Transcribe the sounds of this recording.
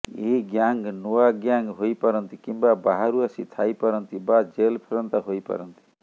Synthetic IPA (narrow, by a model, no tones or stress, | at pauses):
ḛɦiɡjaŋɡnoaɡjaŋɡɦojpaɾɔnt̪ikimbabaɦaɾuasit̪ʰajpaɾɔnt̪ibad͡ʒelpʰeɾɔnt̪aɦojpa̰ɾɔnt̪i̥